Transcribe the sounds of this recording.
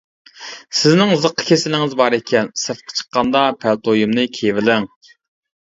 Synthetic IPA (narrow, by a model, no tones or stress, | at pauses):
sɪznɪŋzəqʰːə̥kʲʰesɪlɪŋɪzbɑɾekʲʰɛnsəɾfqʰə̥t͡ʃʰə̥qːɑnd̪ɑpʰælt̪ʰojimnɨkʲʰevɪlɪŋ